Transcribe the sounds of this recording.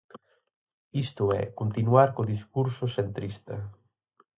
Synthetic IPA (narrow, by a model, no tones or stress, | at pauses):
ist̪ʊɛ̰kont̪inuaɾkoðiskuɾsʊsent̪ɾist̪ɐ